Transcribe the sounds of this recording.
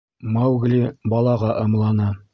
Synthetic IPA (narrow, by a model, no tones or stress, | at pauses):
mawɡlibɑlˠɑʁɑʔɤ̆mlˠɑnɤ